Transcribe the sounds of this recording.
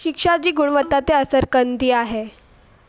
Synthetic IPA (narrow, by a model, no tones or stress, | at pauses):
ikʂad͡ʑiːɡuɽ̃ʋət̪ːat̪eəsəɾkənt̪iːaɦe